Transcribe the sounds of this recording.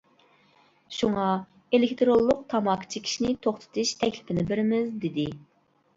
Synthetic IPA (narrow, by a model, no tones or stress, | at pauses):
ʃuŋɑ | elekʲt̪ʰɾolˠːʊq̚t̪ʰɑmɑkʰɨ̥t͡ʃʰikʲʰi̥ʃinɪt̪ʰoχt̪ʰɨ̥t̪ʰɨʃt̪ʰɛkʲlɪpʰɪnɪbɪɾɪmɪzd̪ɪd̪ɪ